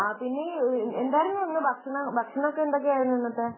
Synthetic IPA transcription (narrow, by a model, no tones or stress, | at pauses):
aːpinːeend̪aːjɐɾumːʋɐnːɨbʱɐkʂɐɳɐbʱɐkʂɐɳɐokːeend̪ok̬ːeaːjɾunːuʋinːɐt̪ːe